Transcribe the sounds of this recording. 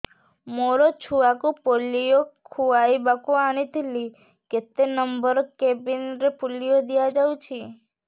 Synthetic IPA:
moɾot͡ʃʰuakũpolijokʰuaibakuañit̪ili | ket̪enəmbəɾkebinɾepulːijod̪ijad͡ʒaũt͡ʃʰi

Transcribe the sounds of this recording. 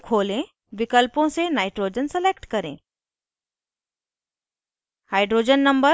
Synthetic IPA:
kʰoːlẽ | ʋɪkəlpõsenaːɪʈɾoːd͡ʒənsɛleːkʈkɐɾḛ̃ː | haːɪɖɾoːd͡ʒənːɐ̃mbə

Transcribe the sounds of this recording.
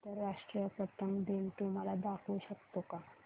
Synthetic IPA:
t̪əɾːaʂʈɾijəpɾət̪əŋɡd̪enʈ̪uməlad̪akʰuɕəkt̪oka

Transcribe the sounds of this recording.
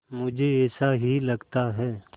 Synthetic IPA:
mʊd͡ʒʱeɛːsaɦilɐɡt̪aɦɛː

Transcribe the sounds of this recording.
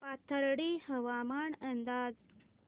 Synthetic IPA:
pat̪ʰəɾɽiːhəʋamaɳənd̪aːd͡z

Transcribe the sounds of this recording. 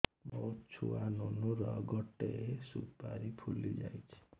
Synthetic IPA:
bʌt͡sʰuanunoɾʌɡʌʈːesupaɾipʰulːid͡ʒa̰jt͡sʰi̥

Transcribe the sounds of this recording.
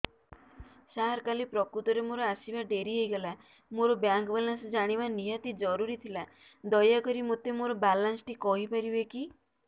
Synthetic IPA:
saɦɾkalipɾɔkɾut̪ɔɾemoɾɔasibaɖeɾiɦejɡɔla | moɾɔbjaŋkbalansd͡ʒaɽ̃ibanijɔt̪id͡ʒɔɾuɾit̪ʰila | d̪ɔjakɔɾimot̪emoɾɔbalansʈikɔɦipaɾibeki

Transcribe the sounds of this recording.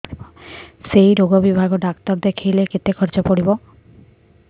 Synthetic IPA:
bɔsejɾoɡɔbibʱaɡɔɖakt̪ɔɾd̪ekʰijlekit̪ekʰɔɾt͡ʃɔpɔɽibɔ

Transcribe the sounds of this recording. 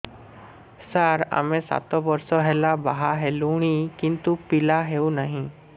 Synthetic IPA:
səɾa̰mẽsa̰t̪ɔbɔɾsɔɦɛlabaɦaɦɛluɽ̃ikint̪upilaɦeunaɦĩ

